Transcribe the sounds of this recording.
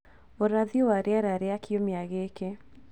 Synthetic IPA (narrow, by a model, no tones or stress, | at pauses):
oɾaðiowaɾeaɾaɾeakiomeaɣeːke